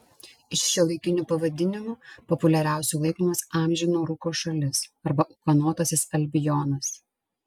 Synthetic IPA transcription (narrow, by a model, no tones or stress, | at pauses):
ɪʃʃʲɛlˠɐɪkʲɪnʲuːpɐʋɐd̪ʲɪnʲɪmuːpɔpʊlʲɛɾʲæˑʊsʲuːlˠɐɪkɔːmɐsɑːˑmʲʒʲɪnoːɾʊkoːʃɐlʲɪsɐɾbɐʔʊkɐnoːt̪ɐsʲɪsɐlʲbʲɪjɔnɐs